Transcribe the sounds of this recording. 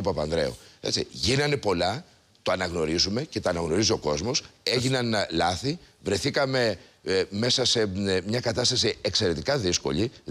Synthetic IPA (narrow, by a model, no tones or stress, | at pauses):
upɐpɐnðɾe̞̰ṵet͡sḭʝinɐne̞po̞lɐ | t̪oɐnɐɣno̞ɾizume̞ce̞t̪oɐnɐɣno̞ɾizio̞ko̞zmo̞se̞ʝinɐnlɐθivɾe̞θikɐme̞me̞sɐse̞mɲɐkɐt̪ɐst̪ɐsiekse̞ɾe̞t̪ikɐðisko̞ʎi